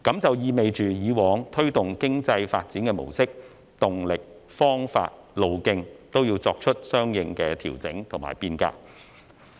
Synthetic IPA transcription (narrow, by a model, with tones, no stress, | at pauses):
kɐ˨˥mt͡sɐ˨wjiː˨˧me˨jt͡ʃyː˨jiː˨˧wɔː˨˧ŋt̪ʰɵ˥ɥt̪ʊ˨ŋkɪ˥ŋt͡sɐ˧jfa̰ː˧t̚t͡siː˨˥nkɛː˧mo̰˨˩wsɪ˥k̚ | t̪ʊ˨ŋlɪ˨k̚ | fɔː˥ŋfa̰ː˧t̚ | lo˨˧wkɪ˧ŋt̪o˥wjiː˧wt͡sɔː˧k̚t͡ʃʰɵ˥t̚sœː˥ŋjɪ˨˧ŋkɛː˧t̪ʰḭː˨˩wt͡sɪ˨˥ŋt̪ʰʊ˨˩ŋma̰ː˨˩jpiː˧nka̰ː˧k̚